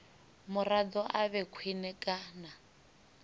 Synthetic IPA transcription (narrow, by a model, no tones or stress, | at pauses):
mʊradɔʔaβɛkʰwinɛkʼana